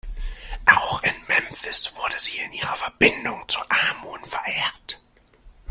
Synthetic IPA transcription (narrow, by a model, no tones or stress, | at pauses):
ʔaʊxɪnmɛmfɪsv̥ʊɐdəz̥iːɪnʔiːʁɐfɛɐbɪndʊŋt͡suɐʔaːmoːnfɛɐʔeːt